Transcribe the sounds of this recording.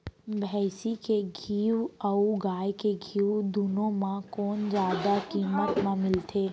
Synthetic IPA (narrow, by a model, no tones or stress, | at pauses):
bʱɛːsikeɡʱiːwəuɡaːjkeɡʱiːud̪ʊnõmãkɔːnzjaːd̪akiːmət̪mãmɪlt̪ʰeː